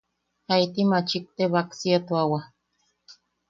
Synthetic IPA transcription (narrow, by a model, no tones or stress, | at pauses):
hajt̪imat͡ʃik̚t̪eβaksiat̪uawa